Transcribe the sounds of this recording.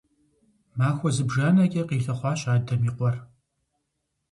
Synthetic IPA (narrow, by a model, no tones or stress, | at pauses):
maːxʷɔzɨbʒaːnɐkʲʼɐqiːɬɐχʷɑːɕʼaːdɐmiːqʷɔr